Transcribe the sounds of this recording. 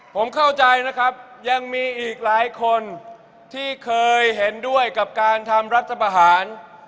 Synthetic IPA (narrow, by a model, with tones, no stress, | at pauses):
pʰo˩˦mkʰa˥˩wt͡ɕa˧jna˦˥kʰɾa˦˥p̚ja˧ŋmiː˧ʔiː˨˩k̚laː˨˩˦jkʰo˧n | t̪ʰiː˥˩kʰɤː˧jɦe˩˦ndu˥˩əjka˨˩p̚kaː˧nt̪ʰa˧mɾa˦˥t̪̚t͡ɕʰːa˧pa˧ɦaː˩˦n